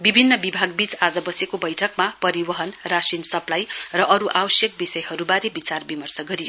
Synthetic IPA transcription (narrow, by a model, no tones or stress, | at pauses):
bibʱinːʌbibʱaɡbit͡sad͡zʌbʌsekobʌjʈʰʌkmapʌɾibʌɦʌnrasinsʌplajrʌʔʌɾuʔabʌsjʌk̚bisʌjhʌɾubaɾebit͡sarbimʌrsʌɡʌɾijo